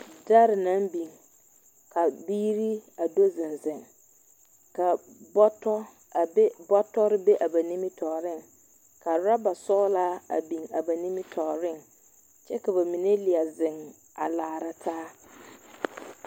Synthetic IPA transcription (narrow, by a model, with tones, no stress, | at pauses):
da˦ɾɪ˨na˦mbi˨ŋ | ka˨biː˦ɾi˦a˨do˦zɪ˨nzɪ˨ŋ | ka˨ɔ˦tɔ˦ | bɔ˦tɔ˦ɾɪ˦be˦ʔa˨ba˨ni˦mɪ˦tʰɔː˨ɾɪ˦˨ŋ | ka˨ɾa˦ba˨sɔː˦la˦a̰˨bi˨ŋa˨ba˨ni˦mɪ˦tʰɔ˨ɾɪ˦˨ŋ | t͡ʃɛ˦ka˨ba˨mi˨ne˦lɪ˨a˨zɪ˨ŋ | a̰˨laː˨ɾa˦tʰaː˦